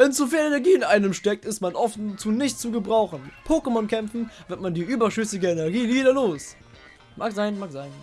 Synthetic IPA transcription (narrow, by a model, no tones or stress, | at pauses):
v̥ɛnz̥ofiːlɛnɛɐɡiːɪnʔaɪnəmʃtɛk̚tɪstmanʔɔft͡suːnɪçtt͡suːɡəbʁaʊxn̩pʰoːkəmɔnkʰɛmfn̩vɪɐtmandiːʔyːbɐʃʏsɪɡəenɛɐɡiːliːdɐloːs | maːkz̥aɪnmaːkz̥aɪn